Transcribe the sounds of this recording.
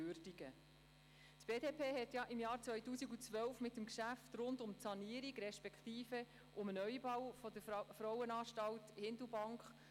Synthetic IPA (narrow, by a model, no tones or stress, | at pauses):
øɾd̥iɡ̥ə | tb̥eːdeːpʰeːɦɛtjɑʔɪmjɑːɾt͡sʋœjtuːsiɡut͡sʋœlfmɪtːəmkʃæft̪ɾʊndʊmtsɑniəɾiɡɾɛʃpɛkχtiːfə | ʔʊmənœʏbɑwfɔdəfɾɔwənɑːʃtɑlthɪndl̩bɑŋkχ